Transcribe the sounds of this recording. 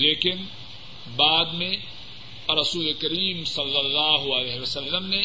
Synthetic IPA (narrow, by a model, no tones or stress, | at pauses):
leːkɪn | baːd̪mẽ | ɾɐsuːlekɐɾiːmsɐlːɐlːaːɦʊɐlɛːɦiʋɐsɐlːəmne